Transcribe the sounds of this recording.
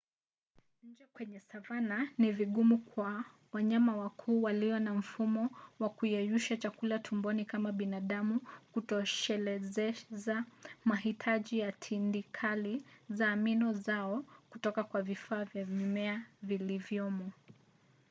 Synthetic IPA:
ɲ̩d͡ʒɛkwɛɲɛsavananiviɠumukwa | waɲamawakʰuːwaliɔnam̩fumɔwakujɛjuʃat͡ʃakulatʰumbɔnikamaɓinaɗamukutɔʃɛlɛzɛzamaɦitʰaʄijatʰindikʰalizaːminɔzaɔkutɔkakwavifaːvjaɲumɛavilivjɔmɔ

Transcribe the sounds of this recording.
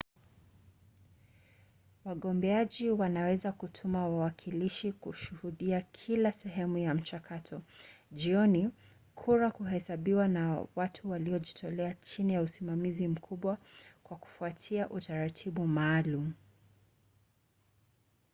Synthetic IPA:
waɠɔmbɛaʄiwanawɛzakutʰumawawakʰiliʃikuʃuhuɗiakʰilasɛɦɛmujam̩t͡ʃakʰatʰɔʄiɔni | kʰuɾakuɦɛsaɓiwanawatʰuwaliɔʄitʰɔlɛat͡ʃinijausimamizim̩kʰuɓwakwaku̥fuatʰiaʔutaɾatʰiɓumaːlum̩

